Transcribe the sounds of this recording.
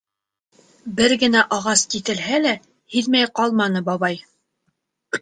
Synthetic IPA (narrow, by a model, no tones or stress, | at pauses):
bɘɾɡɘ̆næʔɑʁɑskit̪ɘ̆lɦælæ | hiðmæjqɑlˠmɑnɤbɑβɑj